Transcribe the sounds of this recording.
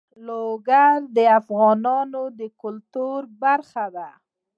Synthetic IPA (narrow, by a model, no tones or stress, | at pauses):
loɡaɾd̪əafɣɑnɑnod̪əkʊlt̪uɾbaɾxad̪a